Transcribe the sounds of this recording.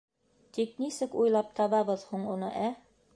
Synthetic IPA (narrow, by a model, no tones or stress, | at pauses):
t̪iknisɘkujlˠɑp̚t̪ʰɑβɑβɤðhuɴunɤʔæ